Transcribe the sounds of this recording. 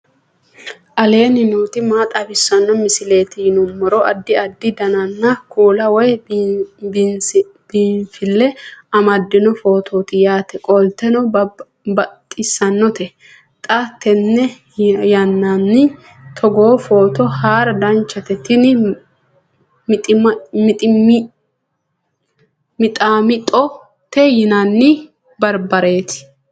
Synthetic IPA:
ʔɐle̞ːnɪnuːt̪ɪmaːt̪ʼɐbɪsːɐnːɔmɪsɪle̞ːt̪ɪjnʊmːɔɾɔʔɐd̪ːɪɐd̪ːɪd̪ɐnɐnːɐkʰuːlɐwɔj | b | b̥iːnfɪlːɛɐmɐd̪ːɪnɔfo̞ːt̪ʰoːt̪ɪjaːt̪ɛkʼɔlt̪ːɛnɔ | bɐt̪ʼːɪsːɐnːɔt̪ɛ | t̪ʼat̪ːɛnːɛ | jɐnːanːɪ | t̪ʰɔɡo̞ːfo̞ːt̪ɔhaːɾɐd̪ɐnt͡ʃːɐt̪ɛt̪ːɪnɪ | mɪt̪ʼɪmmɪt̪ʼɪmɪ | mɪt̪ʼaːmɪt̪ʼɔ | t̪ɛjɪnɐnːɪ | bɐɾbɐɾe̞ːt̪ɪ̥

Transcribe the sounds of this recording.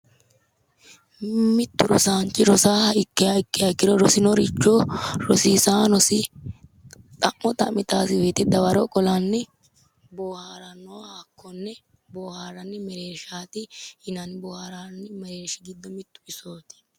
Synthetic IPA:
mɪt̪ːʊɾɔ̰saːnt͡ʃːɪɾɔsaːhɐɪkːɪaɪkːɪjɐɪkːɪɾɔɾɔsɪnɔɾɪt͡ʃːoɾɔsiːsaːnɔsɪ | t̪ʼɐʔːɔt̪ʼɐmːɪt̪aːsɪweːt̪ɛd̪ɐwɐɾɔkʼɔlanːɪ | boːhaːɾɐnːohakːɔnːɛ | boːhaːɾɐnːɪmɛɾeːʃaːt̪ɪhɪnɐnbɔːhaɾanːɪmɛɾeːʃɪɡɪd̪ːɔmɪt̪ːʊ̥ɪsoːt̪ɪ̥

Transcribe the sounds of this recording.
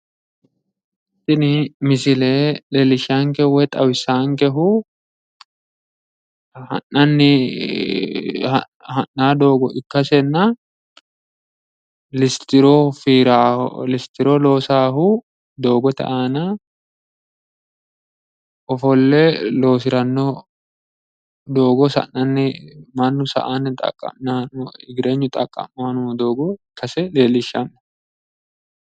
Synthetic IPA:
ɪt̪ːɪnɪmɪsɪlelɛlɪʃaːŋkɛwɛt̪ʼɐwɪsaːŋkɛɦʊ | hɐ̰nːɐnːɪ | hɐ̰ | hɐnːaːd̪o̞ːɡɔʔɪkːɐsɛnːɐ | lɪst̪ɪɾɔfiːɾa̰lɪst̪ɪɾɔlo̞ːsaːɦu | d̪o̞ːɡɔt̪ɐ̰ʔaːna | ɔfɔlːɛlo̞ːs̬ɪɾɐnːɔ | d̪o̞ːɡɔsɐ̰nːɐnːɪmɐnːʊsɐ̰ʔanːɪt̪ʼɐ̰kʼːɐ̰mnanɪɡɪɾeɲːʊt̪ʼɐkʼːɐ̰mːaːnʊd̪o̞ːɡɔɪkʰːɐsɛle̞ːlɪʃːɐnːɐ̥

